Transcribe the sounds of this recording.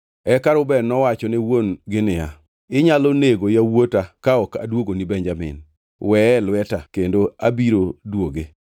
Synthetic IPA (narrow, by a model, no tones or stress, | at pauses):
ɛkaɾʊbɛnɔwat͡ʃɔnɛwonɡɪnɪa | ɪɲaloneɡojawotakaɔka̰dwoɡonibɛɲd͡ʒamɪ̰n | wɛlwɛtakendoabiɾodwoɡe